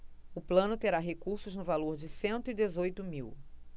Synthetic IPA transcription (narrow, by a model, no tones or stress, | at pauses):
ʊplɐ̃nʊt̪eɾaɦekuɾsʊznʊvaloɾd͡ʒɪsẽnt̪ʊid̪ezojt̪ʊmiw